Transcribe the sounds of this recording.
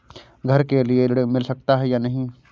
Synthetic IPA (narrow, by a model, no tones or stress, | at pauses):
ɡʱɐɾkelielɽmɪlsɐk̚t̪aɦɛjanɐɦĩː